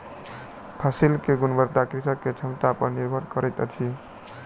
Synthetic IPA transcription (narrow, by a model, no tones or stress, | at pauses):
pʰasilkeɡunbəɾt̪akɾisəkːet͡ʃʰəmt̪apənniɾbʱəɾkəɾəjt̪ət͡ʃʰi